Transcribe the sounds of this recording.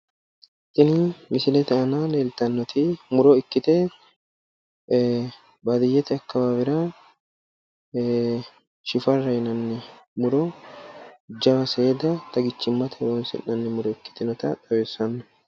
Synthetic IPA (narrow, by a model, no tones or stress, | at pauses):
t̪ːɪnɪmɪsɪlɛt̪ɛɐnaleːlt̪ɐnːɔt̪ɪmʊɾɔɪkːɪt̪ɛ | bɐd̪ɪjːɛt̪ɛɐkːɐbabɪɾɐ | ʃɪfɐrːɐjɪnɐnːɛmʊɾɔ | d͡ʒɐbɐseːd̪ɐt̪ɐɡɪt͡ʃːɪmːɐt̪ʰɛwɔnsɪ̰nːɐnːɛmʊɾɔɪkːɪ̥t̪ɪnɔt̪ɐt̪ʼɐwesɐnːɐ